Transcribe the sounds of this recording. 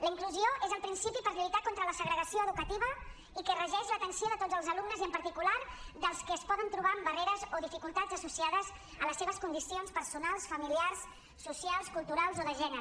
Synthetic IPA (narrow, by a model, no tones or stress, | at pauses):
ləiŋkluzioʔezəlˠpɾinsipipəɾʎujt̪akont̪ɾələsəɣɾəɣəsioəðukət̪iβə | ikərəʒɛʃlət̪ənsioðət̪od͡zzəlˠzəlumnəziəmpəɾt̪ikulaɾd̪əlˠskəːspɔðənt̪ɾuβ̞ambəreɾəzoðifikulˠt̪azəsusiaðəz | ələsːeβ̞əskund̪isionspəɾsunalˠsfəmiliarsː | usjalˠskulˠt̪uɾalˠzoðəʒɛnəɾ